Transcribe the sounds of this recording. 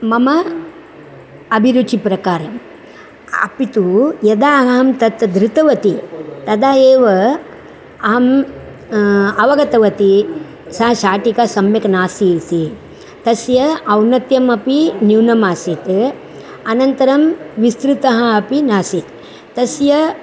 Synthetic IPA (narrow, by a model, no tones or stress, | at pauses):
mɐmɐ | ɐbʱiɾut͡ʃipɾɐkaːɾɐm | ɐ̰pit̪ujɐd̪aːɦɐɦɐmt̪ɐt̪d̪ɾɪt̪ɐʋɐt̪it̪ɐd̪aːeːʋɐ | ɐɦɐm | ɐʋɐɡɐt̪ɐʋɐt̪i | sɐɦɐʃaːʈikɐsɐmjɐknaːsisi | t̪ɐsjɐɐwnɐt̪jɐmɐpinjuːnɐmaːsit̪ | ɐnɐnt̪ɐɾɐmʋist̪ɾit̪ɐɦɐɐpinaːsit̪ | t̪ɐsjɐ